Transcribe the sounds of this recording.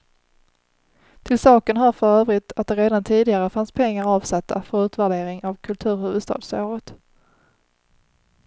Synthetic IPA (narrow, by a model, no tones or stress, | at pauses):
t̪ʰɪlsɑːkənɦaɾfœɾøːvɾɪt̪at̪̚d̪ɛɾeːd̪ant̪ʰiːd̪ɪɡaɾəfanspʰɛŋːaɾɑːvsat̪ʰːa̰fœɾʉ̟ːt̪væɖeːɾɪŋavkʰɵlt̪ʰʉ̟ːɾhʉvɵd̪st̪ɑ̰ːd̪soːɾət̪